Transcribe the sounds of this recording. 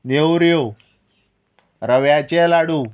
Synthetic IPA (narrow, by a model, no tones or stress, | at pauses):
neuɾjo | ɾəʋjat͡ɕelaɽu